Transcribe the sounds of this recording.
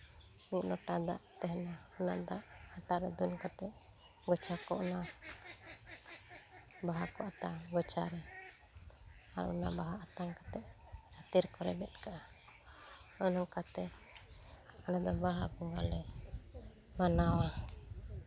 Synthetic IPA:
niʔnɔʈad̪a̰ʔt̪ɛɦnaːna̰ʔd̪aʔhaʈaʔɾɛd̪unkat̪ɛʔ | ɡɔt͡ʃʰakɔʔna | baɦakɔat̪aɡɔt͡ʃʰaɾɛ | a̰ɾ̰ʔnabaɦaat̪aŋkat̪ɛʔt͡ʃat̪iɾkɔɾɛbɛt̪̚kaʔa | ənɔkat̪ɛ | anad̪ɔbaɦabɔŋɡalɛ | manawa

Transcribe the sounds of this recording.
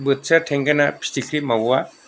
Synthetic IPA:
bɯt̚satʰeŋɡanapʰi̥stikʰɾimawa

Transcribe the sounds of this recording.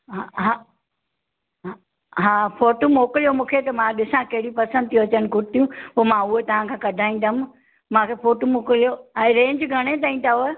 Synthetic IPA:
ɦaɦa | ɦaːfoːʈomoːkəlijomũːkʰet̪ɐmãɗɪsãkɐɦɪɽipɐsə̃nd̪̚t̪ijũɐt͡ɕəɽ̃̆ɡʊɾ̚t̪ʰijũpoːmãʊɦet̪ɐʋ̤ãkʰãːkɐɖʱaːĩn̆d̪aɦm | mãːkʰefoːʈomoːklijoɛ̃ːɾẽːɲd͡ʑɡʱɐɽ̃et̪̬aːĩn̆d̪aɦoe

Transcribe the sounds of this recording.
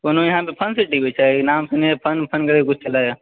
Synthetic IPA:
konojiɦãpepʰənsiʈibit͡ʃʰanamsinepʰənpʰənkəɾkut͡ʃʰt͡ʃəlaj

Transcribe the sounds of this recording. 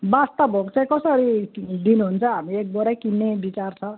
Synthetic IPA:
bast̪abʱokt͡saj̃kʌsʌɾid̪inuɦunt͡sʰʌ̃ɦamiek̚bʌɾakinːebit͡sart͡sʰʌ̃

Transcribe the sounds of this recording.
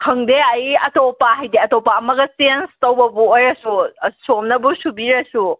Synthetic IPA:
kʰɐŋdeɐiɐtopaɦajd̪iɐtopaɐmɐɡɐsienstɐwbɐbuojɾɐsusomnɐbusubiɾɐsu

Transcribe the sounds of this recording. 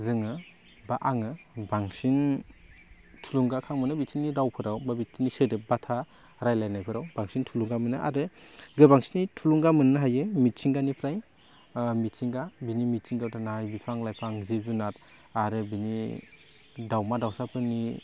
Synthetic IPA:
zɯŋɯ | baʔaŋɯbaŋsin | tʰuluŋɡakʰaŋmɯnɯbisʰinːiɾawpʰɯɾawbabitʰinisɯdɯbatʰa | ɾajlajnajpʰɯɾawbaŋsintʰuluŋɡamɯnɯʔa̰ɾɯɡɯbaŋsinitʰuluŋɡamɯnːɯɦajɯmit̚t͡ʃʰiŋɡanipʰɾaj | mit̚sʰiŋɡabinimit̚siŋɡawtʰanaajbipʰaŋlajpʰaŋzep̚zunat̚ | aɾɯbini | dawmadawsapʰɯni

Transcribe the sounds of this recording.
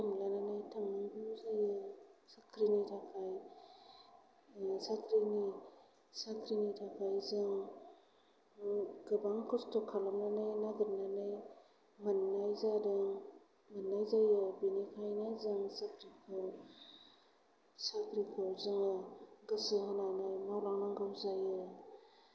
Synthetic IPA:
tɯmlananajtʰamɯŋbuzajɯsakʰɾinitʰakʰaj | sakʰɾini | sakʰɾinitʰakʰajzɯŋ | ɡɯbaŋkʰɔstʰɔkʰalamlanajnaɡɯɾnanaj | manːajzadɯŋ | manːajzajɯbinikʰajnajzɯŋsakʰɾikʰɯw | sakʰɾikʰɔwzɯŋaɡɯsɯhɔnajnajmawlaŋnaŋɡawzajɯ

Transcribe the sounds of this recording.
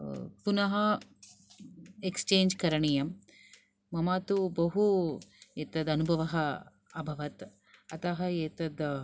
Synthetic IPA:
punɐɦɐ | ekst͡ʃeːɲd͡ʒkɐɾɐɳijɐmː | ɐmaːt̪ubɐɦu | eːt̪ɐd̪ɐnubʱɐʋɐɦɐ | ɐbʱɐʋɐt̪ | ɐt̪ɐɦɐeːt̪ɐd̪

